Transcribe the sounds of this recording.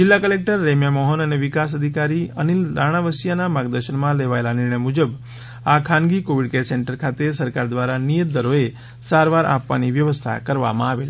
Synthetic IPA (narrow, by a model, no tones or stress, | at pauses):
d͡ʒɪlːakəlek̚ʈəɾːemjamɔɦənəneʋikas̬əd̪ʱikaɾiə̰niɾaɽ̃aʋəsjanamaɡd̪əɾʃəɳmãleʋaelanɪɾɳəjmud͡ʒəb | akʰãnɡikoʋiɽkeseɳʈəɾkʰat̪esəɾkaɾd̪ʋaɾanijət̪̚d̪əɾoe | saɾʋaɾʔa̰pʋa̰niʋjəʋəst̪ʰa̰kəɾʋa̰mã̰aʋel